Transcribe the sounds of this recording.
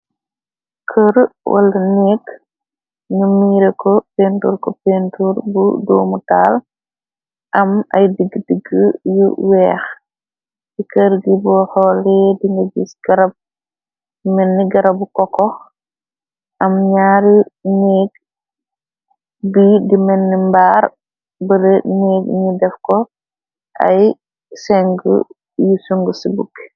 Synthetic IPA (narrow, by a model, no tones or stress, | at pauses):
kʰəɾwʔa̰lɐneːɡ | numiːɾekɔpentuːɾkɔpentuɾbṵdoːmutal | ʔɐma̰jdiɡdiɡəjṵwɛːx | dikəɾɡibɔhɔlɛdiŋɡɐɡisɡ̥ɐɾab̚ | imɛnːiɡɐɾɐbukɔkɔx | ʔɐmɲaːɾineːɡ | bidimɛnːimbaːɾ | bəɾəneːɡɲidɛfkɔ | ʔɐ̰j | sɛŋɡə̰ | jusuŋɡəsibuk